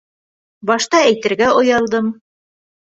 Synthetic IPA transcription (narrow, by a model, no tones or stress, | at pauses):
bɑʃt̪ɑæjt̪ɘ̆ɾɡæŏjɑlˠd̪ɤm